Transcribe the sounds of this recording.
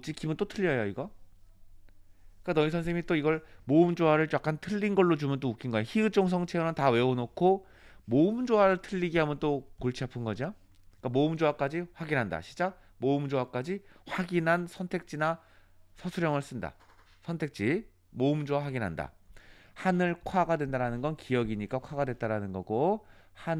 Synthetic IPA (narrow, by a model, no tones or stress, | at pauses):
t͡ɕ͈ikibɯnt͈otʰɯʎːʌjoiɡʌ | k͈anʌisʰʌnsʰeŋit͈oiɡʌɭmomd͡ʑowaɾɯɭt͡ɕ͈ak͈antʰɯʎːinɡʌɭːot͡ɕumjʌnt͈oukʰinɡʌejoçiɯt͡ɕ͈oŋs̬ʰʌŋt͡ɕʰeɯnɯntawe̞onokʰo | momd͡ʑowaɾɯɭtʰɯʎːiɡiɦamjʌnt͈okoɭt͡ɕʰiapʰɯnɡʌd͡ʑo | ik͈amomd͡ʑowak͈ad͡ʑiɸwaɡinɦanda̰ɕʰi̥t͡ɕ͈a | momd͡ʑowak͈ad͡ʑiɸwaɡinɦansʰʌntʰe̞k̚t͡ɕ͈ina | sʰʌsʰuɾjʌŋɯɭs͈ɯnda̰ | sʰʌntʰe̞k̚t͡ɕ͈i | moumd͡ʑowaɸwaɡinɦanda̰ | hanɯɭkʰwaɡadwendaɾanɯnɡʌnkijʌɡiɲik͈akʰwaɡadwet͈aɾanɯnɡʌɡoha